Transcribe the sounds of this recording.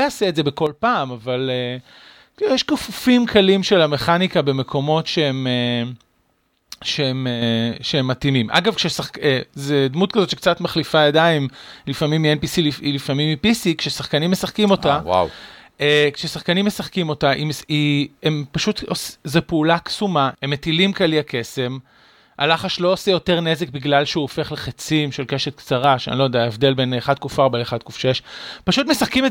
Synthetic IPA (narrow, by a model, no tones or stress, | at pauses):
jaseetze̞beko̞lpaːmavale | kijeʃkofufimkalimʃe̞lame̞χanikabe̞me̞kʰo̞mo̞tʃeeme | ʃeemeʃee̞mːatimimʔa̰ɡavkʃesaχkezed̪mut̚kazo̞tt͡ʃʃek̚t͡satmaχlifajadaimlifamimienpisiliilifamimːipisikʃesaχkanimːesaχkimo̞tawa̰wekʃesaχkanimːesaχkimo̞taʔimsiempaʃut̪oszepeulaksumaemːetilimkaliake̞se̞m | ʔa̰laχaʃloosejo̞te̞ʁne̞zek̚biɡlalʃeuofe̞χleχet͡simʃelkeʃet̪̚kt͡saʁaʃa̰nilojodeaevd̪e̞lbeneχad̪̚kufaʁbaleχad̪̚kufʃejeʃpaʃut̪mesaχkime